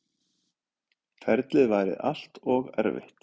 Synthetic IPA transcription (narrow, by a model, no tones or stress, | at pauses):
fɛɾt̪lɪðvaːjɾɪ̰ða̰l̥t̪ɔɣɛ̰ɾvɪ̰ht̪